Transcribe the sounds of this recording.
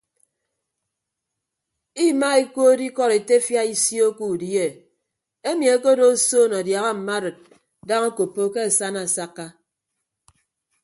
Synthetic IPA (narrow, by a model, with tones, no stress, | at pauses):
i˦ma˦i˦ko˦di˦kɔ˦˨ɾe˨te˦fja˦i˦sjo˦ku˦˨dje˨ | e˦mi˨e˦ko˦do˦so˦˨nɔ˨dja˨ɣa˦m̩˨ma˦ɾɨ˨t̚ | da˦ŋa˦ko˨pːo˦ke˦a˨sa˦na˨sa˦kːa˦